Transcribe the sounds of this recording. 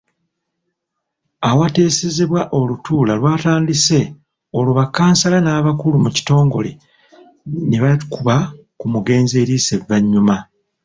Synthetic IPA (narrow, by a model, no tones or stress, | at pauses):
awate̞ːse̞ze̞βwaʔo̞lutʰuːlalwaːtaːndise̞ | o̞luβakːaːnsalanaːβakulumuci̥to̞ːŋɡo̞̰le̞ | neβakuβa | kumuɡe̞ːnze̞ːɾiːse̞vːaɲːuma